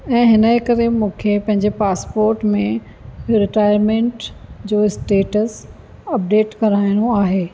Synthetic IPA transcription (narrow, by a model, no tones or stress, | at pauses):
ɛ̃ːɦɪnəkɐɾemũːkʰepɐ̃ɦɪ̃ɲd͡ʑepaːspoːɾʈmẽ | ɾɪʈaːɪəɾmẽːɳʈd͡ʑoːɪsʈeːʈəs | ɐp̚ɖeːʈkɐɾaːɪɽ̃oaːɦeː